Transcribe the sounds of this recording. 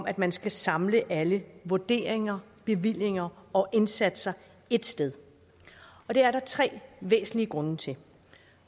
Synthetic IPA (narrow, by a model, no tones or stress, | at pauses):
ɒmʔæd̥mænsɡ̥æsɑ̈mləʔæləʋoɐd̥e̝̰ːɐeŋɐ | b̥e̝ʋil̰je̝ŋɐɒ̽ʔe̝nsæd̥əsɐɪ | e̝d̥sd̥eð̞ˠ | ɒ̽d̥e̝æɐɾɑ̈t͡sʰʁɛ̰ːʋḛːsn̩liəɡ̥ʁɔ̽nət͡sʰe̝